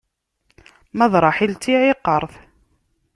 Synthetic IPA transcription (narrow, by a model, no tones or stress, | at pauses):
mæðɾˤɑħilt̪iʕɪqːəɾˤθ